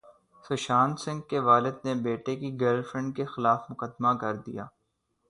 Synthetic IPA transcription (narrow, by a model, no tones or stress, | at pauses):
sʊʃaːnsɪ̃ŋɡ̚keʋaːlɪd̪̚nebeːʈekiɡɛːlfɾɛ̃ɳɖkexɪlaːfmʊkəd̪makɐɾd̪ḭja̰ː